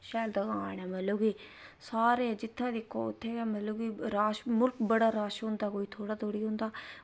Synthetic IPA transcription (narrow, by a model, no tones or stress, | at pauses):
ʃɛːld̪əɡãːnãːmɛloːɡiːsaːɾeːd͡ʒɪt̪ʰːãːd̪ekʰːo̰ʊ̰t̪ʰːeːɛːmɛloːɡiːɾaːʃmʊlkbəɽaːɾaːʃɦõnd̪aːkoːiːt̪ʰoːɽaːt̪ʰoːɽiːɦʊ̃nd̪aː